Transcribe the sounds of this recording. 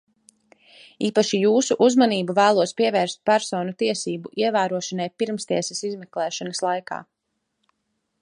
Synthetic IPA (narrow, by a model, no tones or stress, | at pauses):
iːpaʃijuːsuʔuzmaniːbuvæːlˠuɔspiɛvɛːɾst̪̚pæɾsɔːnut̪iɛsiːbuʔiɛvæːɾuɔʃanajpiɾmst̪iɛsɛsizmɛklˠɛːʃɔnɐslˠajka̰ː